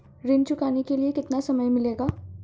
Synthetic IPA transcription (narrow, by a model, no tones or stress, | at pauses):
ɾɪnt͡ʃʊkaːnekeliekɪt̪nasɐməjmɪleːɡaː